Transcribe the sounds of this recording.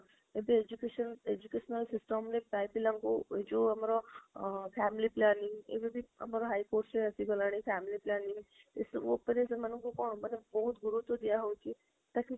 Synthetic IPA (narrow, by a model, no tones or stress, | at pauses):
ebieːd͡ʒukeːʃəneːd͡ʒukeːʃnəlsɪsʈəmnẽpaːpilɐ̃ŋkod͡ʒoːɐmaːɾa | pʰɛːmɪliplaːnɪ̃ŋɡḛbibʱiɐ̰maːɾɦaːikoːɾʈsẽɐsiɡolaːɽ̃ĩpʰɛːmɪliplaːnɪ̃ŋɪsʋo̰peɾesemɐnũkokɔːnmɐnebɔːɦʊt̪ɡʊɾut̪od̪ijaɦoki | t̪aːki